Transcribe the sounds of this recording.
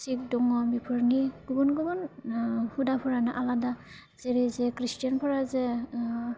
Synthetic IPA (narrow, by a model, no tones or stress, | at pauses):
sik̚dɔŋɔmipʰɔɹniɡubɔnɡɔbɔn | hudapʰɔɹanaʔalada | z̥ɛɹizɛkɹistijanpʰɔɹazɛ